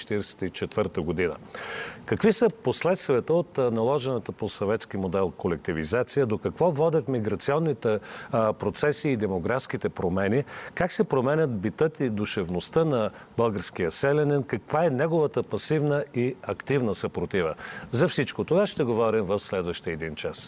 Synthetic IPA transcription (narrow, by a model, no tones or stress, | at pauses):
t͡ʃɛ̥t̪iɾɛsɛ̥t̪it͡ʃɛt̪vəɾt̪əɡod̪inə̰kɐkvisəposlɛt̪st̪viət̪əot̪nɐlˠɔʒɛnət̪əposɐvɛt̪sk̟imod̪ɛlˠkolɛk̚t̪ivizat̪sijəd̪okɐkvɔvɔd̪ʲət̪miɡɾɐt̪siɔnːit̪ɛpɾot̪sɛsiːd̪ɛmoɡɾafskit̪ɛpɾomɛnikaksɛpɾomɛnʲət̪̚bit̪ɤt̪id̪uʃɛvnost̪ənɐbɤlˠɡəɾskijəsɛlɛnɛnkɐkvaɛnɛɡovət̪əpɐsivnəiɐkt̪ivnəsɐpɾot̪ivəzɐfsit͡ʃkot̪ovaʃt̪ɛɡovɔɾimvɐfslɛd̪vəʃt̪iəɛd̪int͡ʃas